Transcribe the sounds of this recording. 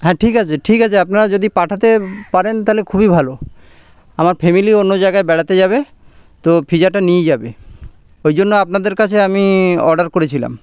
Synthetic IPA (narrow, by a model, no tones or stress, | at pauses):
ɦɛ̃ʈʰikat͡ɕʰeʈʰikat͡ɕʰeapnaɾad͡ʑod̪ipaʈʰat̪epaɾent̪aɦlekʰubibʱalo | amaɾpʰemilionːod͡ʑajɡaebɛʈʰat̪ed͡ʑaβe | t̪opʰid͡ʑaɾʈanied͡ʑabe | ojd͡ʑonːoapnad̪eɾkat͡ɕʰeamiɔ̰ɾɖaɾkoɾet͡ɕʰila̰m